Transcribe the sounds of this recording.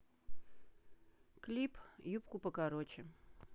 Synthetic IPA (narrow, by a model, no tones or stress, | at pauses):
klʲipjupkʊpəkaɾot͡ɕɪ